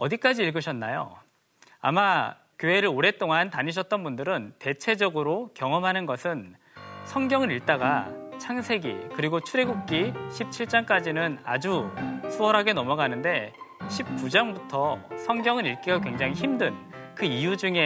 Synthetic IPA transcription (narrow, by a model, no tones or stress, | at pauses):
ʌdik͈ad͡ʑiːɭɡɯɕʰʌnːajo̰ | a̰ma | kjoɦe̞ɾɯɾoɾe̞t͈oŋantaɲiɕ̬ʰʌt̚t͈ʌnbundɯɾɯnte̞t͡ɕʰe̞d͡ʑʌɡɯɾokjʌŋʌmɦanɯnɡʌsʰɯn | sʰʌŋɡjʌŋɯɾiɭt͈aɡat͡ɕʰaŋsʰe̞ɡḭkɯɾiɡot͡ɕʰuɾe̞ɡuk̚k͈iɕʰip̚t͡ɕʰiɭt͡ɕ͈ank͈ad͡ʑinɯna̰d͡ʑusʰuwʌɾɦaɡe̞nʌmʌɡanɯnde̞ɕʰip̚k͈ud͡ʑaŋbutʰʌsʰʌŋɡjʌŋɯniɭk͈iɡakweŋd͡ʑaŋɦiçimdɯnkɯijud͡ʑuŋe̞